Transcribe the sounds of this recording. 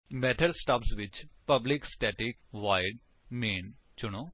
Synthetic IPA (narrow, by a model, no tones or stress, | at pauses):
mɛːt̪ʰəlsʈəpsʋɪt͡ʃpəblɪksʈɛːʈɪkʋaːɪɖ | meːn | t͡ʃʊɽ̃oː